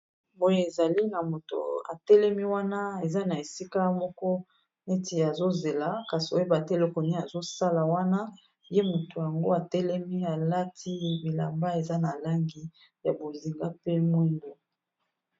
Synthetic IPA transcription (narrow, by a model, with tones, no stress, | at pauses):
bo˦je˦e˨za˨li˦na˨mo˨to̰˨a̰˨tɛ˦lɛ˦mi˦wa˦na˦e˨za˦na˨e˨si˦ka˦mɔ˦kɔ˦ | ne˦ti˨a˨zo˦ze˨la˦ka˨si˨o˦e˦ba˨te˦lo˦ko˨ni˦a˨zo˦sa˦la˨wa˦na˦ | je˦mo˨to˨ja˨ŋɡo˦a˨tɛ˦lɛ˦mi˦a˨la˦tʰi˦bi˨la̰˨mba˦e˨za˦na˨la˦ŋɡi˦ | ja˨bo˨zi˨ŋɡa˦pe˦mwi˦ŋɡo˦